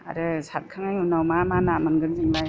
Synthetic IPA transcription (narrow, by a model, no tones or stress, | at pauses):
a̰ɾɯsat̚kʰaŋajunawmamanamɯnɡɯnzɯŋbaj